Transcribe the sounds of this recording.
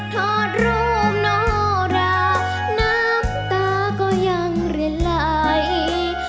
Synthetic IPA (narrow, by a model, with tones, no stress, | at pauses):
t̪ʰɔ˧˩t̪̚ɾuː˧˥˩mnɔ˧˥ɾa˧˥ | na˥mt̪aː˧˩ | kɔː˧˩ja˧˩ŋɾi˧˩la˧˩j